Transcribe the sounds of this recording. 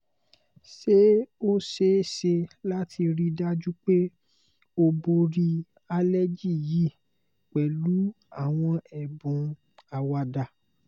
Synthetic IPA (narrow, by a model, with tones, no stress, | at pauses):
ʃe˦o˦ʃe˦ʃe˧la˦tʰi˧ɾi˧da˦d͡ʒu˦k͡pe˦ | o˧bo˧ɾi˧ | a˧lɛ˦d͡ʒi˦˨ji˦˨ | k͡pɛ˨lu˨˦ | a˦˨w̃ɔ̃˧ɛ˨bũ˨ | a˧wa˧da˧˨